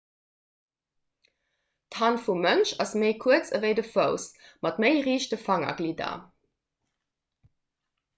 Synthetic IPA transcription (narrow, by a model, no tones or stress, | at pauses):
thɑnfumənʃɑsmeɪkʰuət͡səvəɪdəfəʊsmɑtməɪʁiːʃtəfɑŋɐ̰ɡlidɐ̰